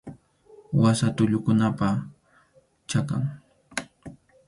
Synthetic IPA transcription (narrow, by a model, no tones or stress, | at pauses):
wasat̪ʊʎʊkʊnapa | t͡ʃaka̰ŋ